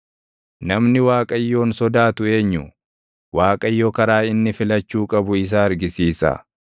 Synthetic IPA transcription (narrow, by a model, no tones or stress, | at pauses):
nɐmnɪwaːkʼɐjːo̞ːnsɔd̪aːt̪ʊe̞ːɲːʊ | waːkʼɐjːɔkɐɾaːɪnːɪfɪlɐt͡ʃːuːkʼɐbʊɪs̬aːɐɾɡɪsiːsɐ̰